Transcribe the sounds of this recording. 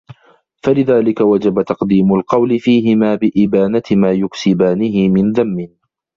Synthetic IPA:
falɪðaːlɪkawad͡ʒabat̪ɑqd̪iːmʊlqɑwlɪfiːɦɪmaːbɪʔɪbaːnat̪maːjʊksɪbaːnɪɦɪmɪnðamːɪn

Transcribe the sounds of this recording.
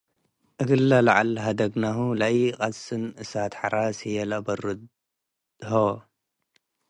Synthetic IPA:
ʔɨɡɨlːalaʕalɦad̪ɐɡnaɦulajiqʼasɨnɨsat̪ħaɾasijɛlabɐɾɨ | ho

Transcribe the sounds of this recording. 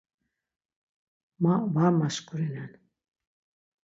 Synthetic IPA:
mavamaskʰʼuɾinɛn

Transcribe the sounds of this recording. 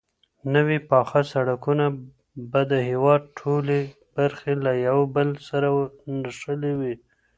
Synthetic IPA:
nəwipɑxasaɽakuna | bad̪əhewɑd̪̚ʈʰole | baɾxelajawbəlsaɾawnaʃəlewi

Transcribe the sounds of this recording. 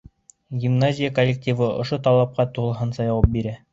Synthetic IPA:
ɡʲimnazʲɪjakolʲːek̚tʲivɤŏ̰ʃot̪ɑlˠɑp̚qɑt̪uʁlˠɦɤnsɑjɑwɑp̚biɾæ

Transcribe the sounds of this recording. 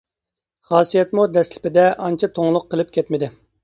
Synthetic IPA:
χɑːsijɛt̪mud̪ɛslɪ̥pɪd̪ɛʔɑnt͡ʃʰɑt̪ʰoŋlˠʊqʰːəlˠɪp̚kʲɛt̪mɪd̪ɪ

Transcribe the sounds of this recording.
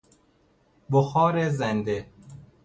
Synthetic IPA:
boxɒːɾezend̪e

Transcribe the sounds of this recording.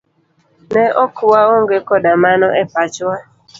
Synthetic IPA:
nɛʔɔkʊwaoŋɡekɔdamanɔʔɛpat͡ʃwa

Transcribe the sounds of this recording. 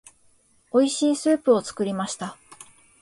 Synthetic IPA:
o̞iɕĩɰ̃sɨːpɯ̟o̞t͡sɨ̥kɯ̟ɾʲimaɕi̥t̪a

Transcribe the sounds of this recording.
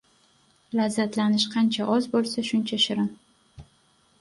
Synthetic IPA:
lazːat̪lanɪʃqʰɑnt͡ʃʰaʔɒzbolˠsaʃʊnt͡ʃʰaʃɪɾɪn

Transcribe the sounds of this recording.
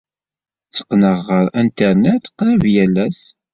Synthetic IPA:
t͡sːə̥qːnəʁːəɾænt̪əɾnæθqːɾəvjælːæs

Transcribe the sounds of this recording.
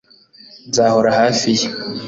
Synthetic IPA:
nzaːhoɾahaːfij

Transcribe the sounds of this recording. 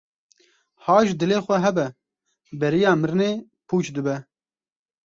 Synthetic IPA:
haːʒd̪ɨleːxʷɛɦɛbɛ | bɛɾijɑːmɨɾneː | pʰuːt͡ʃd̪ɨbɛ

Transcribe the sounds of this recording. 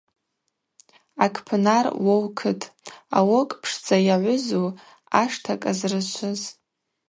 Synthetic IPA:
akʰpʰnarwowkʰɨtʼa̰wokʼpʰʂt͡sʰʼajaʕʷʊzo | aʂtʰakʼazrɨt͡ʃʷʰʊz

